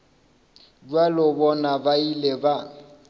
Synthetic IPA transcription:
ɟwalɔbɔnabaileba

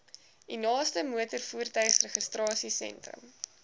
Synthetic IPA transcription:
dinɑːstəmuətərfuːrtœɥχsrəχəstrɑːsisɛ̰ntrə̰m

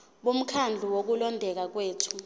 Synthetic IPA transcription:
ɓum̩kʰand͡ɮʱuwok̬ulɔndʱɛk̬ak̬weːtʰu̥

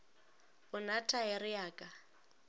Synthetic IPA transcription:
ʊnatʰʼaɛrɪjaːkʼa

